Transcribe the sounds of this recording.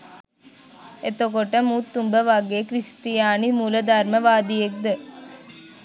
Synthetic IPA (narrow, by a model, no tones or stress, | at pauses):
et̪okoʈəmuːt̪ːumbəʋaɡeːkɾist̪ijaːnimulɐd̪aɾməʋaːd̪ijek̚d̪ə